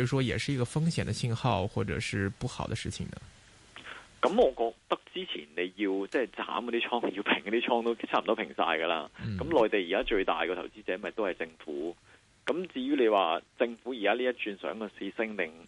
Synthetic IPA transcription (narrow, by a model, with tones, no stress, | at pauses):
ʂwɔ˥jɛ̰˨˩ʂɻ̩˥˩i˧˥ɡə˧fɤ˥ŋɕjɛ˨˩nd̪ə˦ɕi˥˧nxɑ˥˧ʊxwɔ˥˩ʈ͡ʂɤ̰˨˩ʂɻ̩˥˧pu˥˩xɑ˨˩ʊd̪ə˦ʂɻ̩˥˩t͡ɕʰḭ˨˩ŋd̪ə̰˩ | kɐ˨˥mɔː˨˧kɔː˧k̚t̪ɐ˥k̚t͡siː˥t͡sʰḭ˨˩nne˨˧jji˧wt͡sɛː˥˨˩t͡sa̰ː˨˥mkɔ˧˥t̪i˥t͡ʃʰɔː˥ŋji˧wpʰɪ˨˩ŋkɔ˨˧˥t̪i˥t͡ʃʰɔː˥ŋt̪o˥t͡ɕʰaː˦˥m̩˨t̪ɔ˥pʰɪ˨˩ŋsa̰ː˧jɡɐ˧la̰ː˧nn̩˥˩kɐ˨˥mlɔː˨˩jt̪e˨jiː˨˩kaː˥t͡ʃɵ˧ɥt̪a̰ː˨˩jkɔ˧t̪ʰɐ˨˩wt͡siː˥t͡sɛː˨˥mɐ˨˩t̪o˥whɐ˨˩jt͡sɪ˧ŋfuː˨˥ | kɐ˨˥mt͡siː˧ɥyː˥le˨˧jwaː˨˩t͡sɪ˧ŋfuː˨˥ji˨˩kaː˥liː˥jɐ˥t̚t͡ʃyː˧nsœ̰ː˨˥ŋkɔ˧se˧˥sɪ˥ŋt̪ɪ˨˧ŋ